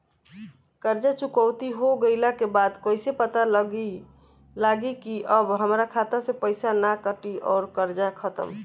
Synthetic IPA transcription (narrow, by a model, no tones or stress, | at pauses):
kəɾd͡ʒat͡ʃukəʊt̪iɦoɡəɪlakebad̪koːɪsepət̪al | laɡikiʔəbɦəmɾakʰat̪asepəɪsanakəʈiʔɔːɾkəɾd͡ʒakʰət̪ə̰m